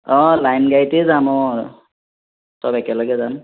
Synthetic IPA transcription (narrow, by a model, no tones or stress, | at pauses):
ɔ̃lajnɡajtezamɔ | sɔbɛkɛlɔɡɛzan